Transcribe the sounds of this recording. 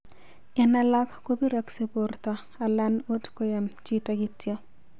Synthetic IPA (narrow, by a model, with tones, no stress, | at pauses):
ɛ˨na˨la˦kːo˦bi˦ɾa˨kse˨po˨rta˨ | a˨la˦no˦tko˦ja˨mt͡ʃitaɡɪ˦tjɔ˦